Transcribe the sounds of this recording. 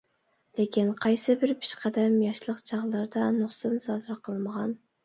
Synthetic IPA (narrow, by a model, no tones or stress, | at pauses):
lekʲʰinqʰɑjsɨbɪɾpʰi̥ʃqæd̪ɛmjɑʃlˠəqt͡ʃʰɑʁlˠɑɾd̪ɑnʊχsɨnsɑːd̪ɨɾqʰəlˠməʁɑn